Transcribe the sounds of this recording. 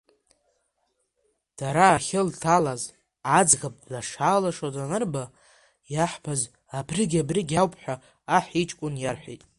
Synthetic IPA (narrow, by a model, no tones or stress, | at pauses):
d̥aɾaːχʲɪltʰalaz | ad͡zɣapʼlaʂaːlaʂodanɨrba | jaħbʰaz | abʰrɪɡʲabriɡʲawpʰʼħʷᶣaː | ħit͡ʃʼkʷʼʊnjarħʷḛtʼ